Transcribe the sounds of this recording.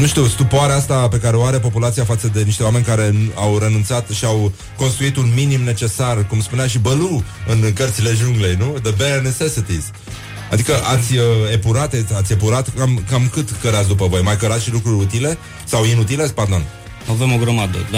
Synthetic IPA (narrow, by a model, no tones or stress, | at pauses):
nuʃt̪iwst̪upoaɾeast̪ape̞kaɾeoaɾe̞po̞pulat̪siafat̪səd̪e̞niʃt̪e̞oame̞nʲkaɾe̞nawɾe̞nunt̪sat̪ʃiaw | ko̞nst̪ɾuit̪unminimne̞t͡ʃe̞sarkumspuneaʃibəluɨnkərt̪sile̞ʒuŋɡle̞jnud̪əbenesesit̪iz̥ | a̰d̪ikəʔat̪sʲəepuɾat̪eat̪sʲe̞puɾat̪kamkamkɨt̪kəɾat̪s̬ʲd̪upəvo̞jmajkəɾat̪ʃilukɾuɾʲut̪ile̞ | sawinut̪ile̞s̚pard̪o̞n | avemo̞ɡɾəmad̪ə̰d̪a